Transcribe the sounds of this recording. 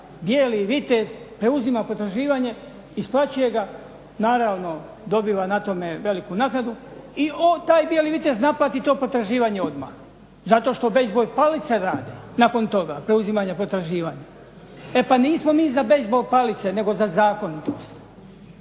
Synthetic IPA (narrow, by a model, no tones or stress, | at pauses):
bjeːliʋit̪ezpɾe̞uzimapo̞t̪ɾaʒiːʋaɲe̞ | isplˠat͡ɕuje̞ɡa | naːɾaːʋno̞ | d̪o̞biːʋanat̪o̞me̞ʋe̞likunaːknad̪uiot̪aːjbje̞liʋit̪e̞znaplˠat̪it̪o̞ːpo̞t̪ɾaʒiːʋaɲe̞o̞d̪ma̰x | zat̪o̞ʃt̪o̞be̞zbo̞jpalit̪seɾaːd̪enako̞nt̪o̞ɡapɾe̞uzimaɲapo̞t̪ɾaʒiːʋaːɲa | e̞paniːsmo̞miːzabe̞zbo̞jpalit̪se̞ne̞ɡo̞zazaːko̞nit̪o̞̰st̪